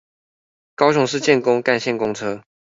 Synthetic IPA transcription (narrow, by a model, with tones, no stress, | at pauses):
kɑ˥ʊɕʊ˨˩ŋʂɻ̩˥˧t͡ɕjɛ˥˩nkʊ˥ŋka˥˧nɕjɛ˥˩nkʊ˥ŋt͡sʰɤ˥